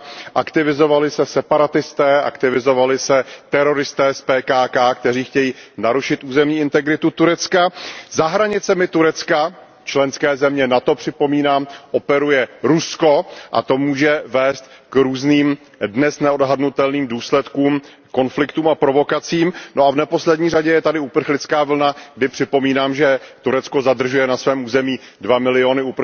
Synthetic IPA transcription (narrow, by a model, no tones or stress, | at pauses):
ʔakt̪ɪvɪzo̞valɪsɛsɛpaɾat̪ɪst̪ɛːʔa̰kt̪ɪvɪzo̞valɪsɛt̪ɛɾo̞ɾɪst̪ɛːspɛːkaːkaːkt̪ɛriːxcɛjiːnaɾuʃɪt̪ʔuːzɛmɲiːɪnt̪ɛɡɾɪt̪ut̪uɾɛt͡skazaɦɾaɲɪt͡sɛmɪt̪uɾɛt͡ska | t͡ʃlɛnskɛːzɛmɲɛnat̪o̞pr̝̥ɪpo̞miːnaːmʔo̞pɛɾujɛɾusko̞ʔa̰t̪o̞muːʒɛvɛːst̪̚kɾuːzniːm | dnɛsnɛodɦadnut̪ɛlniːmduːslɛt̪kuːm | ko̞nflɪkt̪uːmapɾo̞vo̞kat͡siːmnoavnɛpo̞slɛdɲiːr̝aɟɛjɛt̪adɪupr̩xlɪt͡skaːvl̩naɡ̚dɪpr̝̥ɪpo̞miːnaːmʒɛt̪uɾɛt͡sko̞zad̪r̩ʒujɛnasvɛːmʔuːzɛmiː | dvamɪlɪo̞nɪup